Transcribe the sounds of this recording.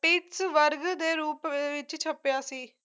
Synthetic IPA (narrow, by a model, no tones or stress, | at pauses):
ʈiːʈsʋəɾɡd̪eːɾuːpːʋɪt͡ʃt͡ʃʰəpjaːsiː